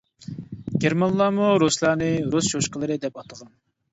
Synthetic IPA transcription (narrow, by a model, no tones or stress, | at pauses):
ɡʲeɾmɑnlˠɑːmuɾuslˠɑːnɨɾusʃoʃqəlˠɨɾɨd̪ɛpɑt̪ʰəʁɑn